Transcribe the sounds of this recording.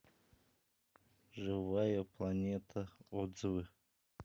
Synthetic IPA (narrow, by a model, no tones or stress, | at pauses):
ʐɨvajɐplˠanʲɛt̪ʰɐɔzvɨ